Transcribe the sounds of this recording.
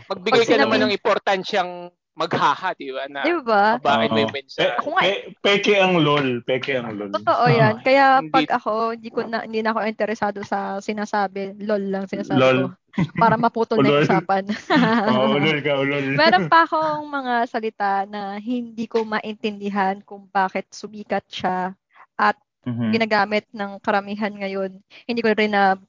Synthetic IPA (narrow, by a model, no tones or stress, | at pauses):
mɐɡ̚bɪɡpajkɐnɐmanɐŋɪmpoɾt̪anʃɐŋ | mɐɡ̚haːhad̪ibanɐd̪ɪbabakɪt̪ɐjmɛnsɐkoŋaɛpɛːkɛʔɐŋlolpɛːkɛɐŋlolot̪oʔojankɐjapɐɡʔɐko̞hɪnd̪iːkonɐ̰hɪnd̪iːnɐɐko̞ʔɪnt̪ɛɾɛsaːd̪o̞sɐsɪnaːsaːbɛlolːɐŋsɪnaːsaːlol | paːɾɐmɐpuːt̪olsaːpɐn | lolkɐʊlolmɛːɾonpɐʔɐko̞ʔɐŋmɐŋasɐlɪt̪anɐɦɪnd̪iːko̞mɐʔɪnt̪ɛnd̪ɪɦankʊŋbaːkɛt̪̚sʊbiːkɐt̪̚ʃa | ʔɐt̪̚ | ɡɪnaːɡaːmɪt̪̚nɐŋkɐɾɐmiːɦɐnŋɐjo̞nhɪnd̪iːkoɾɪnɐ